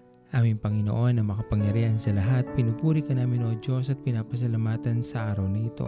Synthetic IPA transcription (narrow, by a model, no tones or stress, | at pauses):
ʔaːmɪŋpɐŋɪno̰ʔo̞nːɐŋmɐkɐpɐŋjɐɾihɐnsɐlɐɦat̪̚pɪnubuɾikɐnaːmɪnod͡ʒosɐt̪̚pɪnaːpɐs̬ɐlamaːt̪ɐnsɐʔaːɾɐwnɐit̪o̞̰